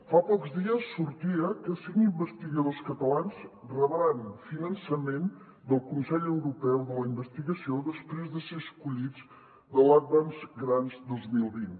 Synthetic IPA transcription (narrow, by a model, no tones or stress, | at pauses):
fapɔkzðiəsːuɾt̪iəkəsiŋimbəst̪iɣəðoskət̪əlanzrəβəɾanfinənsəmen | d̪əlˠkunsɛʎəwɾupɛwðələimbəst̪iɣəsioðəspɾezðəseəskuʎid͡z | d̪əlat̪̚βanzɡɾanzd̪olˠzmilˠβin